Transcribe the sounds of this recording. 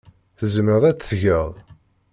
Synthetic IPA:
θəzməðˤæt͡sːθʝəʁˤ

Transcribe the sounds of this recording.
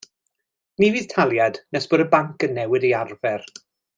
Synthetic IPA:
niviːð̥tʰalˠjad̥nɛsb̥odəbaŋkənːɛwɪdearvɛr

